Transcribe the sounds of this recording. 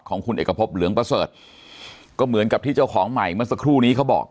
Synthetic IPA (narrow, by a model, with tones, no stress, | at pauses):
kʰɔː˩˦ŋkʰu˧nʔeː˨˩kːa˧pʰo˦˥p̚lɯ˨˩˦əŋpɾa˧sɤː˨˩t̪̚ | kɔː˥˩mɯ˩˦ənka˨˩p̚t̪ʰiː˥˩t͡ɕa˥˩wkʰɔː˩˦ŋma˨˩jma˦˥əŋsa˧kʰɾuː˥˩niː˦˥kʰa˦˥wbɔ̰ː˨˩k̚